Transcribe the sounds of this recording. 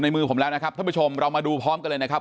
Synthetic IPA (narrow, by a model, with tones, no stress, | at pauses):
na˧jmɯː˧pʰo˩˦mlɛː˦˥wna˦˥kʰa˦˥p̪̚ʰːbu˦˥t͡ɕʰo˧mɾa˧wmaː˧duː˧pʰɔː˦˥mka˧lɤː˧jna˦˥kʰa˦˥˩p